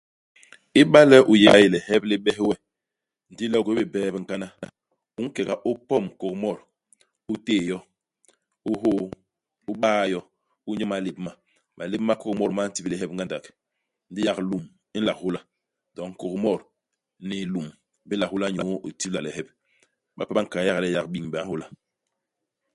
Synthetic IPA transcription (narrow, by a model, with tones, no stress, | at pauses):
i˦ɓa˦lɛ˦ʔu˨je˨ɡa˦˨ji˨lɛ˨hɛ˦bli˦ɓɛ˦wɛ˦ | n̩˨di˦lɛ˦u˨ko˦bi˨bɛː˦˨bi˨ŋ̩˨ka˦na˦ | u˦ŋ˦kɛ˨ka˨ʔu˦pɔ˦˨mko˨kmɔ˦˨ɾ | u˦teː˦˨jɔ˦ | u˦ɦo˦ | u˦ɓaː˦jɔ˦ | u˦ɲɔ˦ma˨le˨bma˨ | ma˨le˦bma˦ko˦kmɔ˦ɾma˦ti˦blɛ˨ɦɛ˦p̚ŋ˦ɡa˦nda˨k | n̩˨di˦ja˨klu˨m | i˦n̩˦la˨khu˦la˨ | dɔ˨ŋ̩˨ko˨kmɔ˦˨ɾ | nɛ˨lu˨m | bi˦la˨hu˦la˦ɲo˨˦ʔu˨ti˦bla˨lɛ˨ɦɛ˦b̚ | ɓa̰˨pa˦ba˦ŋ˨ka˨˦ja˦ɣa˨lɛ˦ja˨k̚ɓi˨ŋba˨˦hu˦la˦